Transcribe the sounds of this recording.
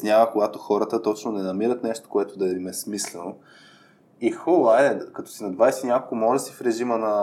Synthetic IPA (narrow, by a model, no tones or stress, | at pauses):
snʲavəkoɡat̪oxɔɾət̪ət̪ɔt͡ʃnonɛnɐmiɾət̪nɛʃt̪o̥koɛt̪od̪ɐɛimɛsmislɛno | ixolˠad̪ɛkɐt̪ɔ̥sinɐd̪vajsɛnʲɲʲakolˠkʊmɔʒɐsifɾɛʒimənɐ